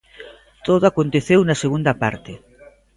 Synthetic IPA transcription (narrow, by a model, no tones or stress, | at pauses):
t̪oðʊakont̪eθewnɐseɣund̪ɐpa̰ɾt̪e